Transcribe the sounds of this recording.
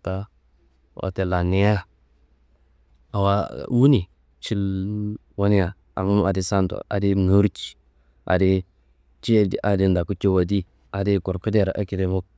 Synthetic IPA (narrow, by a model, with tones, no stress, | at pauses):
ta˦ | wa̰˨te˨la˨ni˦ja˦ | a˨wa˦wu˦ni˨ | t͡ʃi˦l | wo˦ni˦a˨ | a̰˨ŋ˦m˦a˨di˦sa˦nto̰˨a̰˨di˦nu˦ɾt͡ʃi̥˨ | ʔa̰˨di˦ | t͡ʃi˦di˨ʔa˨di˦nda˨ku˦t͡ʃi˦wa˨di˦ | a˨di˦ko˨ɾku˦de˦ɾa˨ʔa˦ki˨de˦mu˦k̚